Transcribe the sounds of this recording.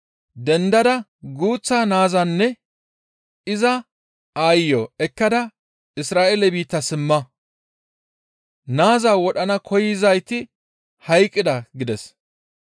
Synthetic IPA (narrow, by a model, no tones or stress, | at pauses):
d̪ɛnd̪ɐd̪ɐɡuːt͡sːaːnaːzɐnːɛ | ɪzɐ | ajːɔɛkːɐd̪ɐ | ɪsɾaːʔelɛbiːt̪ːɐsɪmːɐ | naːzaːwɔɗɐnɐkʰɔjɪzɐjt̪ɪ | hɐjkʼːɪd̪ɐɡɪd̪ɛs